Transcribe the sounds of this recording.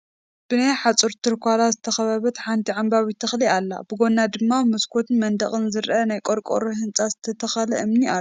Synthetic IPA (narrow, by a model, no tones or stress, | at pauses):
b̥ɨnajħat͡sʼɨɾt̪ʰɨɾkʷalazɨt̪ʰɐxɐβɐβɐt̪ħant̪ʰiʕambawit̪ʰɐxlialːa̰bɨɡo̞nːad̪ɨmːamɐskʰot̪mɐnd̪ɐχʼɨnzɨɾʔɐnajkʼoɾkʼo̰ɾoɦɨnt͡sʼazɨt̪ʰɐt̪ʰɐxɐlɐ̰ʔɨmniʔau